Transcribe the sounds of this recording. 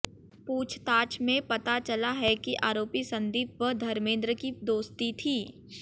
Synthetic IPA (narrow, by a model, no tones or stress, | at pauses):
puːt͡ʃʰt̪aːt͡ʃmẽpɐt̪at͡ʃɐlaɦɛkiʔaːɾoːpisɐ̃nd̪iːp̚ʋəd̪ʱɐɾmẽːnd̪ɾəkid̪oːst̪it̪ʰiː